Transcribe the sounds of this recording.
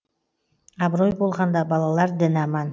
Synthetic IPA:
ɑbɾojbolˠʁɑnd̪ɑbɑlˠɑlˠɑɾd̪ɪnɑmɑn

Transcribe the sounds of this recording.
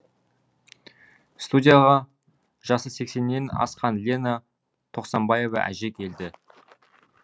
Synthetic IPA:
st̪udʲijaʁɑ | ʒ̥ɑsəse̞kse̞nːe̞nɑ̰sqɑnlʲe̞na | t̪ʰo̞qsɑmbɑje̞vɑ̰ʔæ̰ʒe̞kʲʰe̞ld̪ɪ

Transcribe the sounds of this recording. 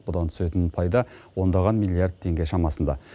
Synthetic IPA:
bʊd̪ɑnt̪ʰʏ̥se̞t̪ɪnpʰɑjd̪ɑwo̞nd̪ɑʁɑnmilʲːˠijaɾd̪̚t̪ʰːe̞ŋɡʲe̞ʃɑmɑsənd̪ɑ̰

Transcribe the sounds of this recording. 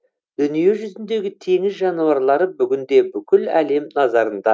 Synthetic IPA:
d̪̥ʏnije̞ʒʏzɪnd̪e̞ɡʲɪt̪ʰe̞ŋɪzʒɑnuɑɾlˠɑɾəbʏɡʲɪnd̪e̞bʏkʲɪlæ̰le̞mnɑzɑɾənd̪ɑ

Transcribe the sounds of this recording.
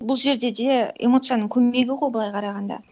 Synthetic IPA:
bʊlˠʒe̞ɾd̪e̞d̪e̞ḛmo̞t̪sɨjanəɴkʲʰɵːe̞ɡʲɪʁojbəlˠɑjqʰɑɾɑʁɑnd̪ɑ̰

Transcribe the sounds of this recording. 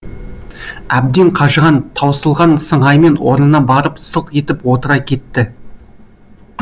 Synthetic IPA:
æb̚d̪eɴqʰɑʒəʁɑnt̪ʰɑwsəlˠʁɑnsəɴɑjme̞nwo̞ɾnənɑbɑɾəpsəqe̞t̪ɪpwo̞t̪əɾɑkʲʰe̞t̪ːɪ

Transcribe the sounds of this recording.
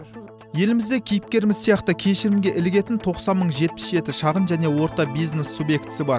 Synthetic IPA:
je̞lɪmɪzd̪ekʲʰijɪp̚kʲe̞ɾɪmɪzsijɑqt̪əkʲʰe̞ʃɪɾɪmɡʲe̞ʔɪlɪɡʲe̞t̪ɪnt̪ʰo̞qsɑnməɴʒe̞t̪̚pɪ̥sʒe̞t̪ɪʃɑʁənʒæne̞wo̞ɾt̪ɑbijzne̞sːubje̞kt̪ɪ̥sɪbɑɾ

